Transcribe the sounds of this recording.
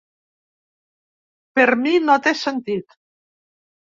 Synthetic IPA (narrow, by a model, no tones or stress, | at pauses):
peɾminot̪esent̪it̪